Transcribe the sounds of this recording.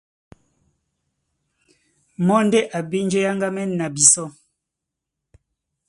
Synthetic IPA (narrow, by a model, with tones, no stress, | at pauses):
mɔ˦nde˦ʔa˨be˦nd͡ʒe˦ja˦ŋɡa˦mɛ˦nːa˨bi˨sɔ˦